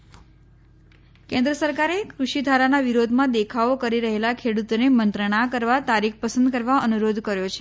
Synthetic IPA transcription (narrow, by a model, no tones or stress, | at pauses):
kẽnd̪ɾəsəɾkaɾekɾuʃid̪ʱaɾanaʋiɾod̪ʱmãd̪ekʰaokəɾiɾəɦelakʰeɽut̪onemənt̪ɾəɳ̃akəɾʋat̪aɾikʰpəsə̃nd̪kəɾʋaənuɾod̪kəɾjot͡ʃʰe̥